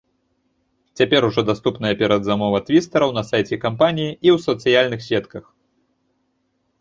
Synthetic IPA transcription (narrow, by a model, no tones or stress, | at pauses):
t͡sʲapʲɛɾuʐɔd̪ast̪upnɐjɐpʲɛɾɐd̪zamɔvɐt̪vʲist̪ɐɾɐwnɐsajt͡sʲɛkampanʲijiʔiwsɐt̪sɨjalʲnɨxsʲɛt̪kɐx